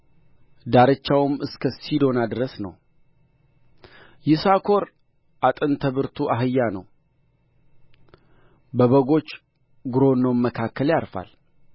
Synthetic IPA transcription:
d̪aɾət͡ʃːawɨmɨskʰəsid̪o̞nad̪ɨɾəsnə̰w | jɪsakʰo̞ɾ | ʔat̪ʼɨnt̪ʰəβɨɾt̪ʰuʔaɦɨjːanəw | bəβəɡo̞t͡ʃː | ɡɨɾo̞nːəwmːəkʰakːəljaɾfa̰l

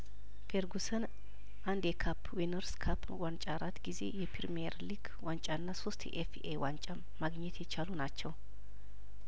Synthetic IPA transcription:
feɾɡusən | ʔand̪jɛkʰapʰːwinəɾskʰapːwant͡ʃʼaɾat̪ɡize̞̰jɛpʰiɾmeɾliɡ | want͡ʃʼanːasost̪jɛ̰ʔefʔewant͡ʃʼaːaɡɲɛt̪jɛt͡ʃalunat͡ʃːɛw

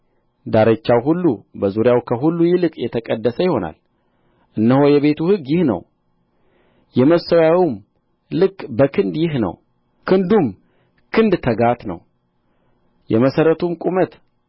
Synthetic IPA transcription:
d̪aɾət͡ʃːawɦulːubəzuɾjawkʰəɦulːujɪlɨkʼjɛt̪ʰəkʼəd̪ːəsəjɪho̞na̰l | ʔɨnːəhojɛβe̞t̪ʰuhɨɡjɪhnə̰w | jɛməsəwjawim | lɨkʼbəkʰɨnd̪jɪɦnə̰w | kʰɨnd̪um | kʰɨnd̪t̪ʰəɡat̪nə̰w | jɛməsəɾət̪ʰumkʷʼumət̪

